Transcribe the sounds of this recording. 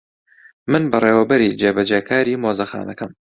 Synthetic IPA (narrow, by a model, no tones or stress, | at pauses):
mɨnbɐrˤeːwɐbɨɾid͡ʒeːbɐd͡ʒeːkʰaːɾiːmoːzɐxa̰ːnɐkɐm